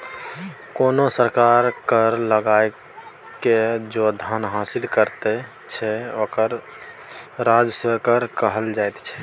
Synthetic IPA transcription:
konosəɾkaɾkəɾləɡae | ked͡ʒod̪ʱənɦasilkəɾt̪ɛ | t͡ʃʰɛokəɾ | ɾad͡ʒəswekəɾkəɦəld͡ʒajt̪t͡ʃʰɛ̥

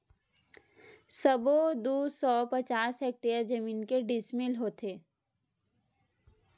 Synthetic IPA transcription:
səbod̪uːsɔːpɐt͡ʃaːseːk̚ʈejəɾd͡ʒɐmiːnkeɖɪsmɪlɦoːt̪ʰeː

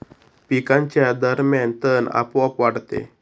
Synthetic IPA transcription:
pikãɲt͡ɕjad̪əɾmjant̪əna̰pʋapʋaɽt̪ḛ

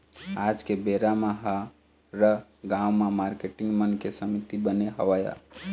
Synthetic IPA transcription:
ad͡ʒkebeɾamãɦa | ɾəɡãwmãmaːɾkeʈɪ̃ŋɡmənkesəmit̪ibəneɦəʋaja̰

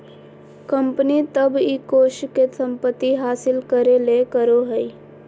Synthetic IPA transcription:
kəmpənit̪əbiːkoːʃkesə̃mpət̪ːiɦaːsɪlkəɾelekəɾoɦəi

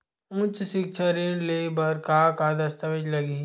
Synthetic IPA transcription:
ʊ̃t͡ʃsɪk̚t͡ʃʰəɾẽlebɐɾkakad̪ɐst̪əʋəd͡ʒlɐɡi

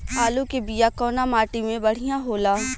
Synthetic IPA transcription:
aːlukebijakɔːnamaːʈimẽbɐɽ̤ijãɦoːlaː

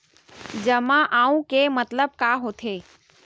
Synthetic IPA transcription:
d͡ʑəmãʔaːũkemət̪ləb̚kaɦoːt̪ʰeː

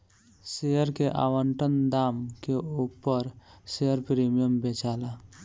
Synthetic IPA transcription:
sejəɾkeʔa̰wəɳʈənd̪amkeupːəɾsejəɾpɾimijəmbet͡ʃala

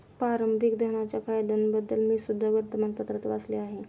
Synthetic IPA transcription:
paɾəmbʱikd̪ʱəɦnat͡ɕjakajd̪ənbəd̪ːəlmisud̪ʱːaʋəɾt̪əmanpət̪ɾət̪ʋasleaɦe

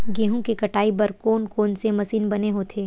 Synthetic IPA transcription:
ɡeːɦõkekɐʈaːibɐɾkoːnkoːnsemɐsiːnbɐneɦoːt̪ʰeː

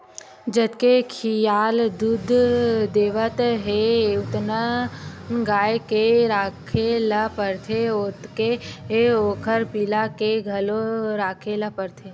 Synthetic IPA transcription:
d͡ʒət̪kekʰijaːld̪ud̪ʱd̪eːʋət̪ɦeʊt̪na | ɡaːjkeɾaːkʰelɐpəɾt̪ʰeot̪keɦeoːkʰəɾpilakeɡʱɐloɾaːkʰeləpəɾt̪ʰe

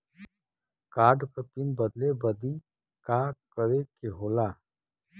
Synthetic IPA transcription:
kaːɾɖpəpɪnbəd̪lebəd̪i | kaːkəɾekeɦoːlaː

